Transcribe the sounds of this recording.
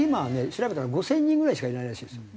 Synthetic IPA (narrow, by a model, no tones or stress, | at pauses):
imane̞ɕiɾabe̞t̪aɾaɡo̞sẽ̞ɲ̟ːĩŋɡɯ̟ɾaiɕi̥kaiɾenaiɾaɕiːd̪esɨo